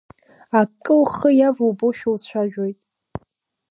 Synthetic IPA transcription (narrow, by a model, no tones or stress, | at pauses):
akʼːɨlχəjavowboʃᶣowt͡ɕʷʰaʒᶣo̞jtʼ